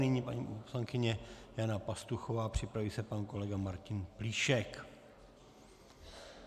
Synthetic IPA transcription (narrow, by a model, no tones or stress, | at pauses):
nɪɲiːpaɲḭposlaŋkɪɲɛjanapast̪uxovaːpr̝̥ɪpɾaviːsɛpanko̞lɛɡamaɾcɪnpliːʃɛk